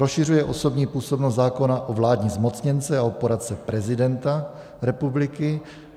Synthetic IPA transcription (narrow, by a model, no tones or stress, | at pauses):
ɾosʃɪr̝ujɛʔo̞so̞bɲiːpuːso̞bnost̪zaːko̞naʔovlaːdɲizmo̞t͡sɲɛnt͡sɛaopoɾat̪t͡sɛpɾɛzɪdɛnt̪a | ɾɛpublɪkɪ